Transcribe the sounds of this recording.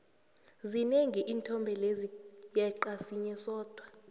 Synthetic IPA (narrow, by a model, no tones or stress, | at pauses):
zineŋɡʱiʔiːntʰʼɔmbʱɛlezijaǃasiɲɛsɔːd̥ʱwa